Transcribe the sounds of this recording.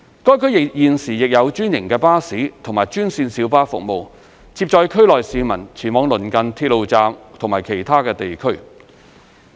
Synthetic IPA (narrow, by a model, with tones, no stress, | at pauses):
kɔː˥jkʰɵ˨˥ɥjɪ˨jiː˨nsiː˨˩jɪ˨k̚jɐ˨˧wt͡ʃyː˥njɪ˨˩ŋkɛː˧paː˥siː˨˥t̪ʰʊ˨˩ŋmaː˨jt͡ʃyː˥nsiː˧nsiː˨˥wpaː˥fʊ̰˨k̚mo˨˧w | t͡siː˧p̚t͡ʃɔː˧jkʰɵ˥ɥlɔː˨jsiː˨˧mɐ˨˩nt͡sʰiː˨˩nmɔː˨˥ŋlɵ˨˩nkɐ˨˧nt̪ʰiː˧t̚lo˨˧wt͡saː˧mt̪ʰʊ˨˩ŋmaː˨˩jkʰe˨˩jt̪ʰaː˥kɛː˧t̪e˨jkʰɵ˥ɥ